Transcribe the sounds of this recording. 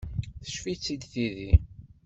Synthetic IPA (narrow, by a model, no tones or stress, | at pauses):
θə̥ʃfit͡sːid̪θiði